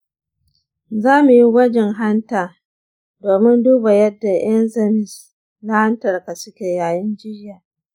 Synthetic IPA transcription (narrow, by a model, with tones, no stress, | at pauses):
zaː˦mu˨ji˦wɐ˦d͡ʒɛ˨ŋɦa˦ntaː˨ | doː˨mɪ˦nduː˦ba˨jɐ˦dːa˨j̰ɐ˦nzɐ˨mɪ˨s | na˦ha˦ntɐ˨rka˨sʊ˦kʲeː˨jaː˨jɪ˦nd͡ʒɪ˦rjaː˨